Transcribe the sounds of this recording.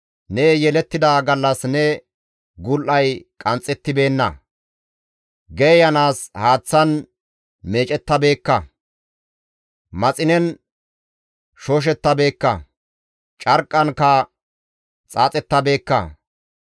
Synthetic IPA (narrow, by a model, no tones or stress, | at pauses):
nejɛlɛt̪ːɪd̪aːɡɐlːɐsnɛ | ɡʊlʔɐjkʼɐnt͡sʼɛt̪ːɪbe̞ːnːɐ̰ | ɡɛjɐnaːshaːt͡sːɐn | meːt͡ʃʼɛt̪ːɐbe̞ːkːɐ | mɐt͡sʼɪnɛn | ʃoːʃ̬ɛt̪ːɐbe̞ːkːɐ̰ | t͡ʃʼɐɾkʼːɐnkːɐ | t͡sʼaːt͡sʼɛt̪ːɐbe̞ːkːɐ̰